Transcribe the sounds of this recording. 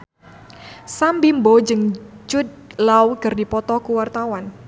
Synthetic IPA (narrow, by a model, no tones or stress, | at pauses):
sambimbod͡ʒɨŋt͡ʃʊd̪̚lawkɨrdipɔt̪ɔkuwart̪awan